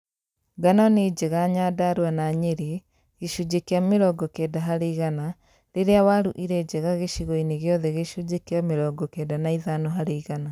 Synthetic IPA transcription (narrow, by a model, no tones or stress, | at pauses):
ɡanɔned͡ʒɛɣaɲaːdaɾwanaɲeɾe | ɣeʃud͡ʒekeameɾɔɡɔkɛdaɦaɾeiɣana | ɾeɾeawaɾuʔiɾɛd͡ʒɛɣaɣeʃiɣɔineɣeɔðɛɣeʃud͡ʒekeameɾɔːɡɔkɛdanaiðanɔɦaɾeiɣana